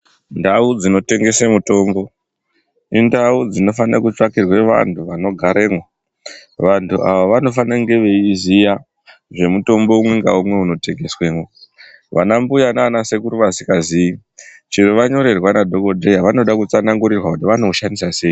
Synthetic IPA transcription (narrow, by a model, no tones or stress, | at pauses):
ndaud͡zino̞te̞ŋɡe̞semuto̞ːmbo̞ | indaud͡zino̞fanakut͡ʂakirwe̞ʋa̰ntʰuʋano̞ɡʱaɾeːmwa | ʋantʰuʔa̰ʋaʋano̞fanaŋɡe̞ʋe̞izija | ʐe̞muto̞mbo̞umwe̞ŋɡaumwe̞uno̞te̞ŋɡe̞swe̞ːŋo | ʋanambujanaːnase̞kuɾuʋasikazii | t͡ʃiɾoʋaɲo̞ɾe̞rwanadʱo̞ko̞dʱejaʋano̞ɗakut͡sanaŋɡuɾirwakutiʋano̞ʃandisase̞ːi